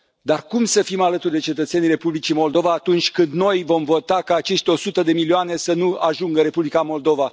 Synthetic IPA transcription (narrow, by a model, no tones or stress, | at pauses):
d̪arkumsəfimalət̪urd̪e̞t͡ʃe̞t̪ət̪se̞nire̞publit͡ʃimo̞ld̪o̞vaːt̪unt͡ʃʲkɨnd̪no̞jvo̞mvo̞t̪akaːt͡ʃe̞ʃt̪eo̞sut̪əd̪e̞milioane̞sənuaʒuŋɡəɾe̞publikamo̞ld̪o̞va